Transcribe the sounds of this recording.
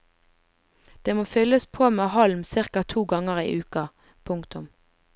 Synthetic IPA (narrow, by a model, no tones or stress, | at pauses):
d̪̥eːmoːfʏləspʰoːmeːhɑlmsɪʁkɑt̪ʰuːɡɑŋəʁḭːʔʉːkɑ | pʰʊŋkt̪ʊm